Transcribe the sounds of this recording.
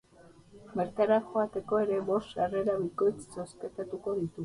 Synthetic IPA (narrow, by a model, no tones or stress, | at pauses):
meɾkaɾaxoat̪e̞ko̞e̞ɾe̞βo̞st̪areɾaβikojt͡ssospet̪at̪uko̞ðit̪u